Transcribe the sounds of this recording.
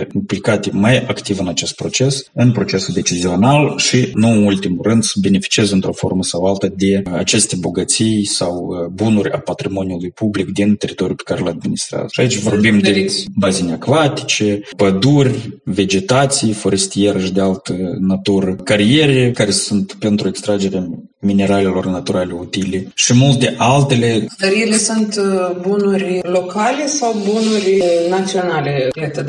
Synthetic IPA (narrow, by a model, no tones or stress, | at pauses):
implikat̪emajakt̪ivɨnat͡ʃe̞st̪̚pɾo̞t͡ʃe̞sɨnpɾo̞t͡ʃe̞suld̪e̞t͡ʃizio̞nalʃinuɨnult̪imurɨnd̪səbene̞fi̥t͡ʃiezɨnt̪ɾo̞fo̞̰rməsawalt̪əd̪e̞at͡ʃe̞st̪e̞bo̞ɡət̪sijsawbunuɾʲa̰pat̪ɾimo̞nʲjulujpublikd̪int̪ʲe̞ɾit̪o̞ɾʲjupe̞kaɾelad̪minist̪ɾḛa̰zəʃiait͡ʃʲvo̞rbimd̪e̞bazʲinʲeakvat̪i̥t͡ʃe̞pəd̪urʲve̞d͡ʒe̞t̪at̪sijfo̞ɾe̞st̪ije̞ɾəʃid̪ealt̪ənat̪urəkaɾije̞ɾekaɾe̞sunt̪pe̞nt̪ɾuekst̪ɾad͡ʒe̞ɾea | mine̞ɾale̞lo̞rnat̪uɾʔale̞ut̪ile̞ʃimult̪e̞ʔalt̪e̞le̞d̪arjele̞sunt̪bunurʲlo̞kʰalʲe̞sawbunurʲnat̪sio̞nalʲelet̪ed̪